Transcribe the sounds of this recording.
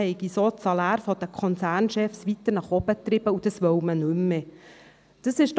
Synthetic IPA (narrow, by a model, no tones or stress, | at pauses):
ɛɪɡisoːtt͡sɑlæːɾfɔd̥̪əkʰɔnsæːrnʃɛfsʋit̪əɾnɑχɔb̥ət̪ɾɪbəud̥əsʋœwmənʉmːe | d̥əsɪʃt